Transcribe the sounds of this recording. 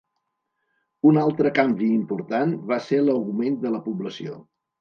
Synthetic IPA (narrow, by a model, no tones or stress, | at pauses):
unalˠt̪ɾəkambiːmpuɾt̪anβaseləwɣumend̪ələpubləsio̰